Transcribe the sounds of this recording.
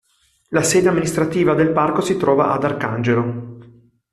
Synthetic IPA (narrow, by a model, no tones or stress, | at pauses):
lasɛːd̪eamːinist̪ɾat̪iːvad̪elparkosit̪ɾɔːva̰ʔa̰d̪arkand͡ʒelo